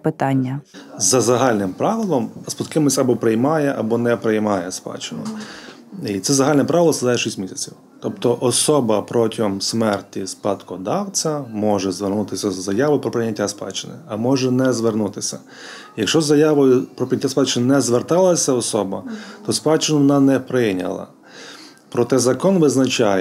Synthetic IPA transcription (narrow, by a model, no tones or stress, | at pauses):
pɪt̪ɑnʲːɐzɐzɐɦɑlʲnɪmpɾɑʋɪlˠɔmspɔt̪kɪmɔsʲɐbɔpɾejmɑjɛʔɐ̰bɔnɛpɾejmɑjɛspɑ̰t͡ʃɪnʊ | it̪sɛzɐɦalʲnɛpɾɑʋʲɪlˠɔsɐd̪ajɛʃisʲtʲmʲisʲɐt͡sʲiw | t̪ɔp̚t̪ɔʔɔsɔbɐpɾɔtʲɪɔmsmɛrtʲispɑt̪kɔd̪ɑwt͡sʲɐmɔʒɛzʋernut̪ɪsʲɐzːɐjaʋɔjʊpɾɔpɾɪjnʲːɐtʲːaspɑ̰t͡ʃɪnɪ̰ɐmɔʒɛnɛzʋernut̪ɪsʲɐ | jɐkʃt͡ʃɔzːɐjaʋɔjʊpɾɔpɾɪnʲɐtʲːaspɑt͡ʃɪnɪnɛzʋert̪ɑlˠɐsʲɐɔsɔbɐt̪ɔspɑt͡ʃɪnʊʋɔnɑnɛpɾɪjnʲɐ̰lˠɐ̰ | pɾɔt̪ɛzɐkɔnʋɪznɐt͡ʃajɛ